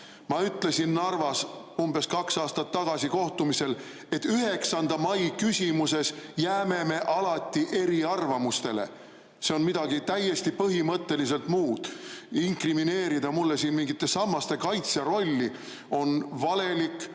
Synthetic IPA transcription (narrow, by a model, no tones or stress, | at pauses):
mɑyt̪ːˑle̞sinːɑrvɑsumbe̞skɑksɑːst̪ɑt̪ːɑɡ̥ɑsiko̞ht̪umise̞l | e̞t̪ːˑyɦe̞ksɑnd̪̥ɑmɑjkysʲimuse̞sjæːme̞me̞ʔɑlɑt̪ʲːˑiʔe̞ɾiɑrvɑmust̪e̞le̞̰ | se̞o̞nmid̪̥ɑɡit̪æjːe̞st̪ipɤɦimɤt̪ːe̞lis̬e̞lt̪muːd̪̥iŋkrimine̞ːɾid̪̥ɑmulːe̞siːnmiŋɡit̪ːˑe̞sɑmːɑst̪e̞kɑjt̪seɾo̞lʲːi | o̞nvɑle̞likːˑ